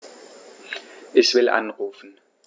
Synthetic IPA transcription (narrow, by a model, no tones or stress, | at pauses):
ʔɛçv̥ɪlʔa̰nʁuːfn̩